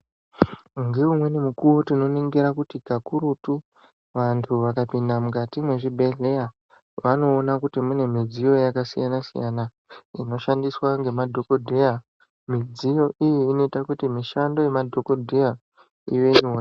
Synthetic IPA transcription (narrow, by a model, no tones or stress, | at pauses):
ŋɡeumwe̞nimukuwo̞tino̞niŋɡiɾakutikakuɾutu | ʋantʰuʋakapindamukatimwe̞ʐibʱe̞ɮeja | ʋano̞ːnakutimune̞mid͡zijo̞jakasijanasḭja̰na | ḭno̞ʃandiswaŋɡe̞madʱo̞ko̞dʱeja | mid͡zijo̞ʔijiːno̞itakutimiʃando̞je̞madʱo̞ko̞dʱeja | ḭʋe̞ɲura